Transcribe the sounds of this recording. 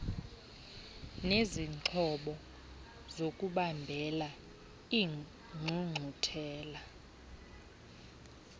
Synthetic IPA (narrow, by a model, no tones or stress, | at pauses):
neziǀʰɔɓɔ | zokʼuɓambʱɛla | i | ŋ͡ǀʱuŋ͡ǀʱutʰɛːla